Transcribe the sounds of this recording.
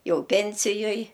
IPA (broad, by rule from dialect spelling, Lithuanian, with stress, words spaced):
ˈjɛʊ ˈpʲɛnʲsʲɪjoːj